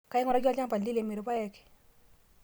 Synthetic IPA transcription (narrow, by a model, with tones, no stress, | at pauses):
ka˦ɪ˦ŋɔ˦ɾa˦d͡ʒɔ˦t͡ʃa˦ŋpa˨li˦le˨me˨ɾo˨pa˦jɛ˦ke̥˨